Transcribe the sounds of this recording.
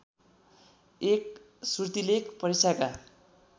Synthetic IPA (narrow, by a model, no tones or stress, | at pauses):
ek̚ | surt̪ilekpʌɾisaka